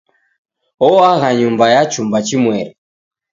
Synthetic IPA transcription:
ɔwaɣaɲumbajat͡ʃumbat͡ʃimwɛɾi

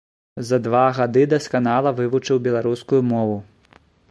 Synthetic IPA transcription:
zɐd̪vaɣad̪ɨd̪ɐskanalˠɐvɨvut͡ʂɨwbʲɛlˠaɾuskujumɔvu

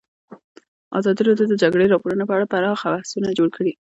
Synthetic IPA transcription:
ɑ̰zɑd̪iɾɑd̪jod̪əd͡ʒaɡɽeɾɑpoɾunepəaɽapaɾɑxabahsunad͡ʒoɽkʰəɽi

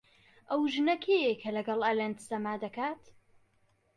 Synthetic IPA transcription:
ʔɐwʒɨnɐkʰejekʰɐlɐɡɐlˠalent̪sɐmaːd̪ɐkaːt̪

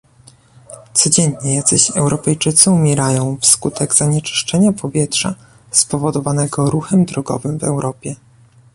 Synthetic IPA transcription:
t̪sɔd͡ʑɛɲɲɛjad̪zɘɕɛwɾɔpɛjt͡ʂɘt̪sɘumʲjɛɾajɔ̃w̃fskut̪ɛɡz̥aɲɛt͡ʂɘ̥ʂt͡ʂɛɲapʰɔvʲjɛtʂa̰ | spɔvɔd̪ɔvanɛɡɔɾuxɛmd̪ɾɔɡɔ̰vɘmvɛ̰wɾɔpʲjɛ

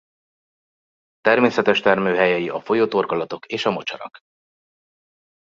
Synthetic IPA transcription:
t̪ɛrmeːsɛt̪ɛʃt̪ɛrmøːɦɛjɛjiʔɒfo̞joːt̪o̞rɡɒlɒt̪o̞keːʃɒmo̞t͡ʃɒ̰ɾɒ̰k

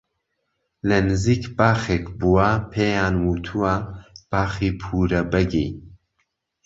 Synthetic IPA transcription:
lɐnɨziːkbaːxekbuwapʰeːjaːnwuːt̪ʰuwab̥aːxiːpʰuːɾɐbɛɡej

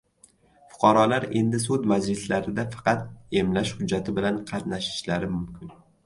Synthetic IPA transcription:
fʊ̥qʰɑɾɒlaɾe̞̰nd̪ɪsʊd̪mad͡ʒlɪslaɾɪd̪afɑ̥qɑt̪e̞mlaʃhʊd͡ʒːat̪ʰɪbɪlanqʰɑt̪naʃɪ̥ʃlaɾɪmʊmkʲɪn

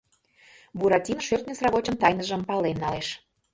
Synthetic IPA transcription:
buɾɑtʲinʃørt̪nʲəsrɑβot͡ɕənt̪ɑjnəʒəmpɑlenːɑleʃ

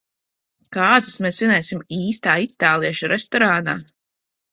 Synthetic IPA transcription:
kaːzɨsmeːsvinɛjsimiːst̪aːit̪aːlˠiɛʃuɾest̪ɔɾaːna̰ː

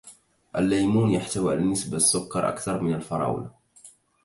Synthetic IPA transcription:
ʔæ̰lːæjmuːnjaħt̪awʕa̰lanːəsbasːʊkːɑɾˤʔa̰kθɑɾˤmɪnəlfɑɾˤɑ̰ːwla

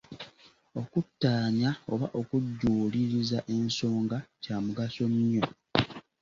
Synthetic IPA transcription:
o̞kutːaːɲao̞̰βaʔo̞kuɟːuːliɾizaʔe̞nso̞ːŋɡacaːmuɡaso̞ɲɲo

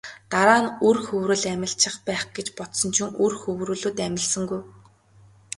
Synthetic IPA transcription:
t̪aɾaːnɵrxɵwɾɘ̆ɮæmʲɪ̆ɬt͡ɕʰɪ̆χpæːχɡ̥et͡ɕpɔt̪sɞ̆nt͡ɕʰuŋɵrxɵwɾɵ̆ːɮuːt̪æmʲɪ̆ɮsɘ̆ŋɡuj

